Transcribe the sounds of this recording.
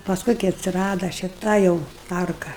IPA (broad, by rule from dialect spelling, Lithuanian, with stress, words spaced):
pɐsˈkʊɪ kɐɪ ɐtʲsʲɪˈrɑːdɐ ʃʲɪˈtɐ jɛʊ ˈtɐrkɐ